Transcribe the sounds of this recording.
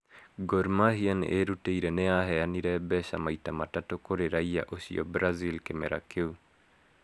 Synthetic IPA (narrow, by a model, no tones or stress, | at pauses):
ɡoɾmahianḛʔeɾuteiɾɛneaɦɛaniɾɛbɛɕa̰maitamatatokoɾeɾaia̰ʔoɕiɔ̰bɾazilkemɛɾa̰keu